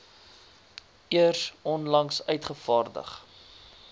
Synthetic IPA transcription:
iərsɔnlɐŋsœɥtχəfɑːrdə̰χ

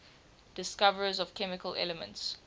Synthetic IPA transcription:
d̥ɪskavəɹəzɔv̥kʰɛmɪkəlɛ̰ləmə̰̃nts

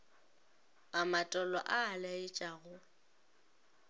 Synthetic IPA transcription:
amatʼɔlɔ̰ʔaːlaɪt͡ʃʼaɣʊ

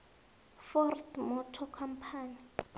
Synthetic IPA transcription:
fɔrtmɔtʰɔkʰam̩pʰaːni

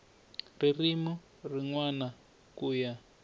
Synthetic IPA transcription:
ririmu | riŋwana | kuːja

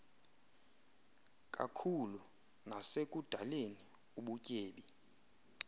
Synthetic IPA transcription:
kʼa̰kʰulu | nasek̬ʼud̥ʱaleni | uɓucʼeːɓi

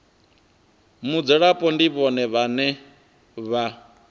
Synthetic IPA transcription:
mud͡zɛɺapʼɔndiβɔnɛβanɛ | βa

